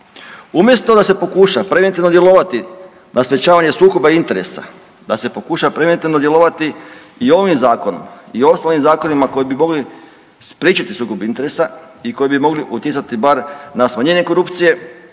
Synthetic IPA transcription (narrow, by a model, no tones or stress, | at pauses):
umjest̪o̞d̪ase̞po̞kuʃapɾe̞ʋent̪iʋno̞d̪je̞lˠo̞ʋat̪i | nʔaspet͡ɕaːʋaɲe̞suːko̞baint̪e̞ɾe̞̰sa̰ | d̪ase̞po̞kuʃapɾeʋent̪iʋnod̪jelo̞ʋat̪i | io̞ʋimzaːkono̰mio̞st̪alimzaːko̞nimako̞jibimo̞ɡli | spɾiːt͡ʃat̪isuːko̞bint̪e̞ɾesa | iko̞jibimo̞ɡliʔut̪jetsat̪ibaɾnasmaɲe̞ːɲe̞ko̞ɾupt̪sije̞